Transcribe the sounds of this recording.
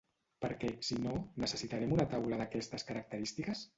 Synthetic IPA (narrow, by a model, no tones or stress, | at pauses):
pəɾkɛsinonəsəsit̪aɾɛmunat̪awləðəkɛst̪əskəɾək̚t̪əɾist̪ikəs